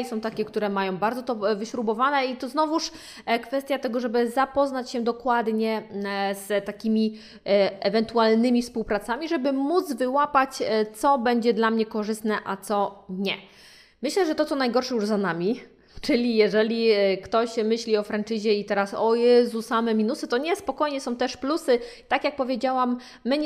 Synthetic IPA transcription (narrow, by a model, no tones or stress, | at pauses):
sɔ̃w̃t̪akʲɛkt̪uɾɛmajɔ̃w̃baɾd̪zɔt̪ɔvɘɕɾubɔvanɛit̪ɔznɔvuʂ | kfɛst̪ʲjat̪ɛɡɔʐɛbɘzapɔznat͡ɕɕɛd̪ɔkwad̪ɲɛzt̪akʲimʲi | ɛvɛnt̪ualnɘmʲifspuwpɾat̪samʲiʐɛbɘmud̪zvɘwapat͡ɕt̪sɔbɛɲd͡ʑɛd̪lamɲɛkɔʐɘst̪nɛʔat̪sɔɲɛ | mɘɕlɛʐɛt̪ɔt̪sɔnajɡɔɾʂɛjuʐzanamʲi | t͡ʂɘlʲijɛʐɛlʲikt̪ɔɕmɘɕlʲiɔfɾant͡ʂɘʑɛit̪ɛɾasɔjɛzusamɛmʲinusɘt̪ɔɲɛspɔkɔjɲɛsɔ̃w̃t̪ɛʂplusɘt̪akjak̚pɔvʲjed͡ʑawamː | ɘɲ